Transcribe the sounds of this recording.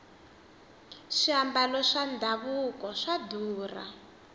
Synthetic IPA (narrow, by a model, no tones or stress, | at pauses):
ʃiambalɔʂandʱaβukɔʂaduːra̰